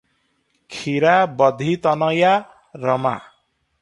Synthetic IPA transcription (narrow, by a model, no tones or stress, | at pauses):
kʰiɾabʌd̪ʱit̪ʌnʌja | ɾʌma̰